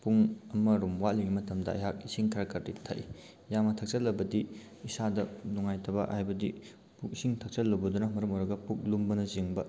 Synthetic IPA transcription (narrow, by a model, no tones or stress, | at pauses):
puŋɐmɐɾumwatliɡimɐtʰɐmdɐ̰ɐ̰jɦak̚isiŋkʰɐɾakɐɾditʰɐ̰ʔi | jamɐtʰɐk̚t͡ʃɐlːɐbɐdiː | sadɐnuŋajtʰɐbɐ̰hajbɐdi | puk̚isiŋtʰɐk̚t͡ʃɐlːɐwbɐdunɐmɐɾɐmojɾɐɡɐpuk̚lumbɐnɐziŋbɐ